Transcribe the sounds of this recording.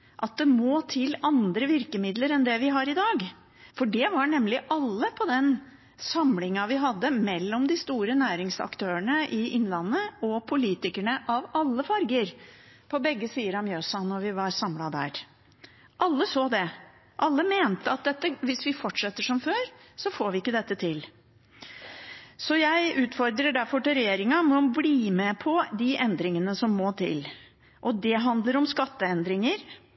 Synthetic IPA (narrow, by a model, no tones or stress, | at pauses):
ʔɑt̪̚d̪ɛmoːt̪ʰɪlːɑnd̪ɾəʋɪɾkəmɪd̪ləɾɛnd̪ɛʋɪɦɑɾɪd̪ɑːɡ | fɔɖɛʋɑɳɛmlɪʔɑlːəpʰɔd̪ɛn | sɑmlɪŋɑʋɪɦɑd̪ːəmɛlːɔmd̪ɪst̪uːɾənæːɾɪŋsɑ̰kt̪ʰøːəɳəʔɪʔɪnlɑnːəɔpʰʊliːt̪ɪkæɳəʔɑʋɑlːəfɑɾɡəɾpʰɔbɛɡːəsiːəɾɑmjøːsɑnɔɾʋɪʋɑɾsɑmlɑd̪æ̰ːɾ | ʔɑlːəsoːd̪ɛ | ʔɑlːəmeːnt̪əɑt̪̚d̪ɛt̪ːəʋɪsʋɪfɔʈʂɛt̪ːəʂɔmføːɾ | sɔfoːɾʋɪɪkːəd̪ɛt̪ːət̪ʰɪl | sɔjæɪʉːt̪fɔɾd̪ɾəɖæɾfɔʈɪɾɛjeːɾɪŋɑmɛɔbliːmɛpʰɔd̪ɪʔɛnd̪ɾɪŋənəsɔmːoːt̪ʰɪ̰l | ʔɔd̪ɛɦɑnd̪ləɾɔmskɑt̪ːəɛnd̪ɾɪŋəɾ